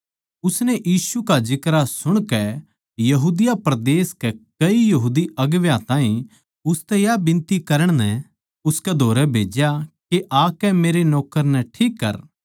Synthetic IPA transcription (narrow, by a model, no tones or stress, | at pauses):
ʊsnɛʔjiːsukad͡ʒɪkɾasʊɽ̃kɛ | jɐɦuːd̪ɪjapɾɐd̪eːskɛkɐijɐɦuːd̪iɐɡʋjãt̪ãːĩ | ʊst̪ɛjabɪ̃nt̪ikɐɾəɽ̃nɛ | ʊskɛd̪ʱoːɾɛbʱeːd͡ʒjakeʔakɛmeːɾenɔːkəɾnɛʈʰiːkːɐ̰ɾ